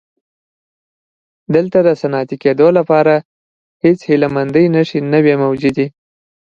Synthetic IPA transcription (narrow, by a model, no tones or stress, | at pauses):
d̪əlt̪ad̪əsanɑt̪iked̪olapɑɾa | het͡shɪlamand̪əjnaʃinawemawd͡ʒud̪i